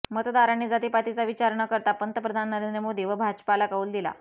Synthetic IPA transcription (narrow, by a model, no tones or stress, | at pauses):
mət̪əd̪aɾanːiːd͡zat̪ipat̪it͡saʋit͡ɕaɾɳəkəɾt̪apənt̪əpɾəd̪ʱanːəɾend̪ɾəmod̪ʱiʋəbʱad͡ʑpalakauːld̪ila̰